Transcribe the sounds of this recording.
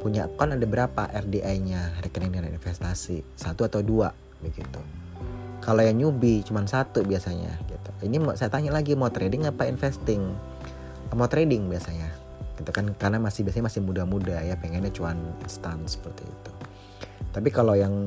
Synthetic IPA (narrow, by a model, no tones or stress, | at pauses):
puɲaʔkɔnadabəɾapa̰ʔɛrdiʔajɲarɛkɛnɛnianaḭnfɛst̪asisat̪uat̪awdua | bəɡit̪u | kalojaŋɲubit͡ʃumansat̪ubiasaɲa̰ɡit̪uinimsajat̪aɲalaɡimat̪ɾedɪŋapainfɛst̪ɪŋ | əmat̪ɾedɪŋbiasaɲa | ɡ̥it̪ukankarnamasɪhbias̬aɲamasɪhmudamudajapɛŋɛnɲat͡ʃuanḭnst̪ansə̥pərt̪ḭḭt̪u | t̪ap̬ikalojaŋ